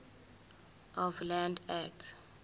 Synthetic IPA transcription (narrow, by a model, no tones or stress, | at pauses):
ɔvlãndɛk̚tʰ